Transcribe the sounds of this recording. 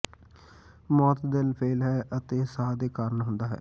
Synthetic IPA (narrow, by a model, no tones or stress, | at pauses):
mɔːt̪d̪ɪlpʰeːlɦɛːʔət̪eːsaːd̪eːkaːɾnɦʊ̃nd̪aːɦɛ̰ː